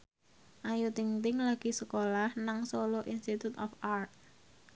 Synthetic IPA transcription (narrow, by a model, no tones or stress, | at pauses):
ʔajut̪iŋt̪ɪŋlaɡ̥i̤səkolahnaŋsoloʔinst̪it̪ut̪ɔfart̪̚